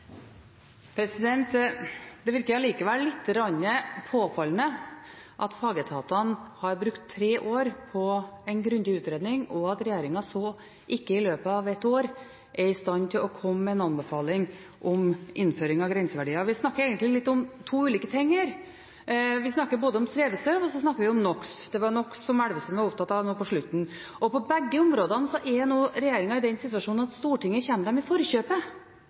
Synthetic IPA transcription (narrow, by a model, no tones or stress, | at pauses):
pʰɾɛsɪd̪ɛnt̪d̪ɛʋɪɾkəɾɑliːkəʋæːəɭɪt̪ʰːəɾɑnːəpʰoːfɑlənə | ʔɑt̪fɑːɡət̪ʰɑːt̪ɑnhɑɾbɾʉkt̪ʰːɾeːʔoːɾpʰɔɛɪnɡɾʉnd̪ɪʉːt̪ɾeːd̪nɪŋɔɑt̪ɾɛjeːɾɪŋɑsɔ | ʔɪkːəɪløːpəɑʋɛt̪ːoːɾ | ʔɛɾɪst̪ɑnt̪ʰɪlɔkʰɔmːɛnɑnbəfɑːlɪŋ | ʔɔmʔɪnføːɾɪŋɑʋɡɾɛnsəʋæɖiːɑʋɪsnɑkːəɾeːɡənt̪lɪlɪt̪ːɔmt̪ʰuːʉːliːkət̪ʰɛŋːəɾ | ʋɪsnɑkːəɾboːd̪əɔmsʋeːʋəst̪øːʋɔsɔsnɑkːəɾʋɪʊmnɔksd̪ɛʋɑɾɳɔkːsɔmæɽʋəst̪ɛnʋɑɾʊp̚t̪ʰɑt̪ːɑʋnuːpɔʂɭʉt̪ːn̩ | ʔɔpʰɔbɛɡːəʊmɾoːd̪ɑnəsɔʔɛɾjɑnuːɾɛjeːɾɪŋɑɪd̪ɛnsɪt̪ʋɑʂuːnnɑt̪st̪uːʈɪŋːəçɛnːəd̪ɛmɪfɔɾçøːpə